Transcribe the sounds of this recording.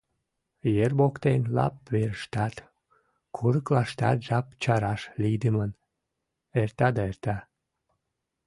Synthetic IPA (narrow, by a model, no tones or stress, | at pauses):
jerbokt̪enlɑ̰p̚βeɾəʃt̪ɑt̪ | kʰuɾəklɑʃt̪ɑ̰t̪ʒɑpt͡ɕɑɾɑʃlid̪əmən | ert̪ɑd̪ɑert̪ɑ